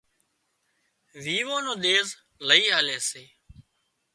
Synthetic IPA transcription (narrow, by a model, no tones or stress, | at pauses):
ʋiːʋõːnõːɗ̪eːz | ləiːɦaːleːseː